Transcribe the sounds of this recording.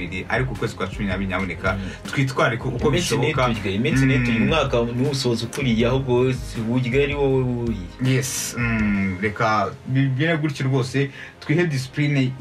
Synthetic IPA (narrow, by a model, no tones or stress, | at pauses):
iɾiʔa̰ɾikukwe̞ːzikwaːt͡ʃuminaβiɾinaβonekatkwiːt̬waːɾikoukoβeʃoβoekaɟiɡajemesinetuɾiumŋaːkaniuβusozukuɾijahobɡosβuɟiɡaɾiwowejijes | ɾe̞kaβiβjeneɡuɾiciɾuβo̞ːse̞tkwiːhedis̬i̥pɾine